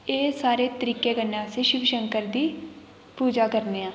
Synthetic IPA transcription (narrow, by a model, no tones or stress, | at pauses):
eːsaːɾeːt̪əɾiːkeːɡənːãːseːʃɪʋʃəŋkəɾd̪iː | puːd͡ʒaːkəɾneːãː